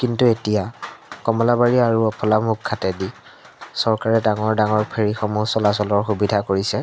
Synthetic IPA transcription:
kintuetijakɔmɔlabaɹiaɹuɔpʰɔlamukʰːatɛdi | sɔɹkaɹɛdaŋɔɹdaŋɔɹpʰeɹixɔmusɔlasɔlɔɹxubidʱakoɹisɛ

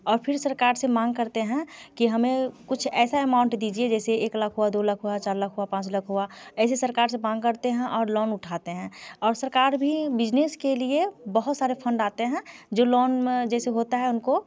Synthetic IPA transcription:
ɔːɾpʰɪɾsəɾkaːɾsemaːŋɡkəɾt̪eɦɛ̃kiɦɐmẽkʊt͡ʃʰɛːsaemãːʊ̃ɳʈd̪iːd͡ʒied͡ʒɛːseeːklakʰɦuad̪oːləkʰɦuat͡ʃaːɾləkʰɦuapãːt͡ʃləkʰɦuaɛːsesəɾkaːɾs̬emãːŋkəɾt̪eɦɛ̃ʔɔːɾlɔːnʊʈʰaːt̪eɦɛ̃ɔːɾsəɾkaːɾbʱibɪd͡ʒneskeliebəɦʊt̪saːɾepʰə̃ɳɖaːt̪eɦɛ̃d͡ʒoːlɔːnmẽd͡ʒɛːseɦoːt̪aɦɛʊnko

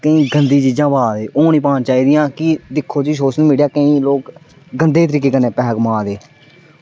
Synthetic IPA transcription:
kəĩːɡənd̪iːt͡ʃiːd͡ʒãːbaːd̪eːʔoːniːpãːnt͡ʃaːiːd̪ɪjãːkɪd̪ɪkʰːoːd͡ʒiːsoːsnũːmɪɽjaːkəĩːloːk | ɡənd̪eːt̪əɾiːkeːkəneːpɛːɡmãːd̪eː

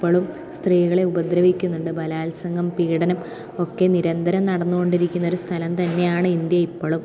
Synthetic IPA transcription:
pːoɭum | st̪riːɣɐɭe̞ubɐd̪ɾɐʋikʲːunːuɳɖɨbɐlaːlsɐŋɡɐmpiːɽɐnɐm | o̞kːe̞niɾɐnd̪ʱɐɾɐmnɐɽɐnːuɣo̞ɳɖiɾikʲːunːɐo̞ɾust̪ʰɐlɐmt̪ɐnːe̞jaːɳɨind̪jɐipːoɭum

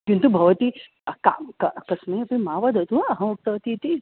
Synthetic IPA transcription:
kint̪ubʱɐʋɐt̪i | ka̰kɐkɐsnɐiɐplĩmaʋɐd̪ʱɦɐt̪ũaɐɦɐ̃muk̚t̪ɐʋɐt̪it̪i

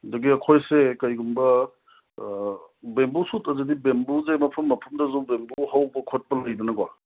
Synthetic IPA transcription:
dɐɡiɐkʰojsekɐjɡumbɐ | bembusutɐzedibembuzemɐpʰɐmːɐpʰɐmdɐzubembuhawbɐkʰot̚pɐlɐjdɐnɐɡwa

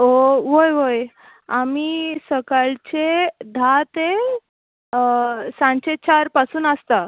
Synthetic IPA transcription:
oʋojʋoj | amisəkaɭt͡ɕed̪ʱat̪e | sãɲt͡ɕet͡ɕaɾpasuːnəst̪a

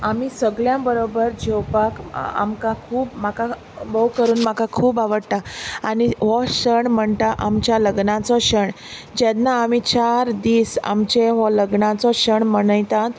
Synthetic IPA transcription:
amiːsəɡɭjãbəɾobəɾd͡ʑewpaka̰mkakʰuːpmaka | bowkəɾuːnmakakʰuːbaʋəɽt̪aaɽ̃iɦɔɕəɳm̤əɳt̪aʔamt͡ɕjaləɡnãt͡sɔɕəɳ | d͡ʑanaːmit͡ɕaɾd̪iːsa̰mt͡ɕeɦɔləɡɳãt͡sɔɕəɳməɽəjt̪ãt̪

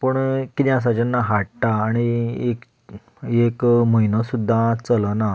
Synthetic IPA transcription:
pəɳkid̪jãs̬ad͡ʑənːaɦaʈʈaːɽ̃iek | ekməjnəsud̪ʱːat͡sələna

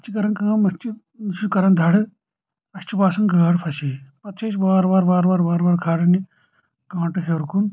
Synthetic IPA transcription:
ɐt͡ʃʰikɐɾɐnkɐɐmɐst͡ʃi | t͡ʃʰukɐɾɐnd̪ʱɐɽɨ | ɐst͡ʃipaːsɐnɡɐːɽpʰɐsipɐt̪t͡ʃʰet͡ʃbaːɾbaːɾbaːɾaːɾbaːɾbaːɾkʰaːɽɐni | kãːɳʈɨɦeɾkun

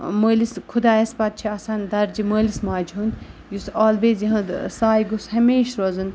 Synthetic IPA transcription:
məːliskʰud̪aːɐspɐt̪̚t͡ʃʰiɐsaːnd̪ɐɾd͡ʒiməːlismaːd͡ʒɦunjusoːlʋeːzjiɦɐ̃d̪saːjɡushɐmeːʃɾozɨn

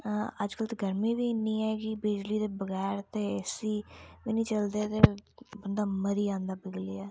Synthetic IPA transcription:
əd͡ʒkəlt̪ːɡəɾmĩːʋiːɪnːiːɛːkɪbɪd͡ʒliːd̪eːbəɡɛːɾt̪eːsiːʋɪnĩːt͡ʃəld̪eːt̪eːbənd̪aːməɾiːãːnd̪aːbɪɡliːaː

